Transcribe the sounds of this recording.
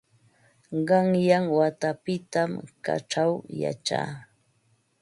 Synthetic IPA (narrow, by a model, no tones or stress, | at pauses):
ɢɑŋjaŋwat̪apɪt̪amka̰ʈ͡ʂawja̰t͡ʃa̰ː